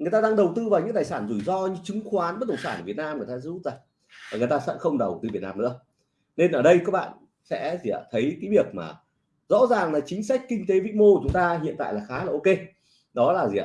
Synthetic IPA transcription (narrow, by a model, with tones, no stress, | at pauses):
ŋɨ˨˩əjt̪aː˧ɗa˧ŋɗə˨˩wt̪ɨ˧vaː˨˩wɲɨ̰˧˥t̪aː˨˩jsaː˧˩nzu˧˩jzɔ˧ɲɨ̰˧˥ŋt͡ɕɨ˨˦ŋxwaː˨˦nɓə˦˥t̚t̪ʰə˨˩ŋ͡msaː˧˩nʔəː˧˩və˩t̚naː˧mŋɨ˨˩əjtaː˧zu˧˦˥t̚zaː˧˨˩ŋ | vaː˨˩ŋɨ˩jt̪aː˧sɛ̰˧˥xə˧wŋ͡mɗə˨˩wt̪ɨ˧˩vt̚naː˧mnɨ̰˧˥ə | ne˧nʔəː˧˩ɗə˧jkaː˨˦˥k̚ɓa̰ː˧˨n | sɛ̰˧˥zi˨˩˨a̰˨˩t̪ʰə˨˦jkaː˨˦jvi˦˥˩ək̚ma̰ː˨˩ | zɔ̰˧˥zaː˨˩ŋlaː˨˩t͡ɕï˨˦ŋ̟sa˦˥jk̟̚kï˧ŋ̟t̪e˨˦vḭ˧˥mo˧˨t͡ɕʊ˨˦ŋ͡mt̪aː˧ɦḭ˧˨ənt̪a̰ː˧˨jlaː˨˩xaː˨˦laː˨˩ʔo˧ke˧ | ɗɔ˨˦laː˨˩zḭ˨˩a̰˨˧˩